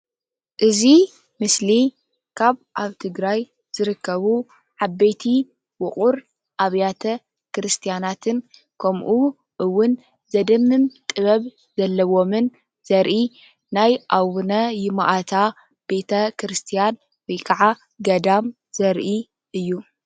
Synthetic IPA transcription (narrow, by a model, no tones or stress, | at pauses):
ʔɨzi | mɨsli | kʰaβʔaβt̪ʰɨɡɾaj | z̥ɨɾɨkːɐβu | ʕabet̪ʰi | wʊχʼuɾ | ʔaβjat̪ʰɐ | kɾɨst̪ʰijanat̪ʰɨn | kʰɐmʔu | ʔɨwːʊn | zɐd̪ɐmːɨmt̪ʼɨβɐβ | z̥ɐlːɐwo̞mɨn | z̥ɐɾʔi | najʔawunɐjɪmaʔat̪ʰa | b̥e̞t̪ʰɐkʰɾɨst̪ʰijan | wɔjkʰaʕa | ɡɐd̪am | z̥ɐɾʔi | ʔɨjːu